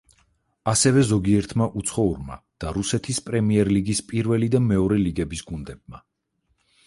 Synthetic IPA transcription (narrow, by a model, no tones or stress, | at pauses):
asɛvɛzɔɡiɛɾt̪ʰmaʔut̪sʰχɔuɾma̰d̪̥aɾusɛt̪ʰispʼɾɛmiɛɾliɡispʼiɾvɛlid̪amɛɔɾɛliɡɛbisɡund̪ɛb̚ma